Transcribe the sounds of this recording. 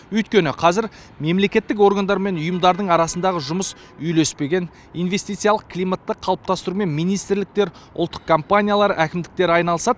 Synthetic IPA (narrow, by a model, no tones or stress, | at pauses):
wɵjt̪̚kʲe̞nɪqʰɑzɪɾ | me̞mle̞kʲe̞t̪ːɪk̬o̞rɡand̪ɑɾme̞nʊjəmd̪ɑɾd̪əɴɑɾɑsənd̪ɑʁəʒʊməs | ʏjlespe̞ɡʲe̞n | ijnve̞st̪ijt̪sɨjalˠəqkʰʲlijmat̪ːəqʰɑlˠəp̚t̪ɑst̪əɾume̞nmijnijst̪ɪɾlɪk̚t̪e̞ɾʊ̰lˠt̪ːə̥q̚kʰompanʲijalˠɑɾəʔækʲɪmd̪ɪk̚t̪e̞ɾɑjnɑlˠəsɑd̪